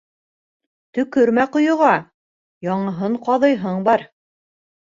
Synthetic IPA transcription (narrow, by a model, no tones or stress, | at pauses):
t̪ɵ̆kɵɾmæqŏjŏʁɑ | jɑɴɤ̆ɦɤɴqɑðɤ̆jɦɤɴbɑɾ